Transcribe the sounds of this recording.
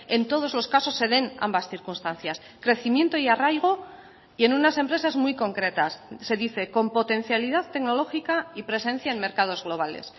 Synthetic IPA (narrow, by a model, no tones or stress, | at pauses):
e̞nt̪o̞ðo̞zlo̞skaso̞sːe̞ð̞e̞na̰mbasθiɾkunst̪an̟θjas | kɾe̞θimje̞nt̪oiarajɣ̞o̞ | ie̞nunase̞mpɾe̞sazmujko̞ŋkɾe̞t̪asːe̞ðiθe̞ko̞mpo̞t̪e̞n̟θjaliðaðt̪e̞kno̞lo̞xikaipɾe̞sẽ̞n̟θjaenme̞ɾkað̞o̞zɣlo̞β̞ale̞̰s